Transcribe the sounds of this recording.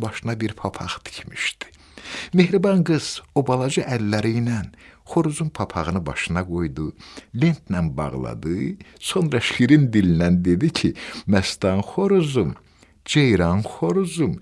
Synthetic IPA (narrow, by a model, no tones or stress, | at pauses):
bɑʃɯnɑbiɾpʰɑpʰɑʁt̪i̥cʰmiʃd̪i̥ | me̞hɾibɑŋɡɯz̥o̞bɑlˠɑd͡ʒɯʔælːæɾijnænχo̞ɾuzumpʰɑpʰɑʁɯnɯbɑ̰ʃɯnɑɡo̞jd̪ule̞nt̪nænbɑ̰ʁlˠɑ̰d̪ɯso̞nɾɑʃχiɾind̪ilinænd̪e̞d̪icʰimæst̪ɑnχoɾuzum | d͡ʒejɾɑnχoɾuzum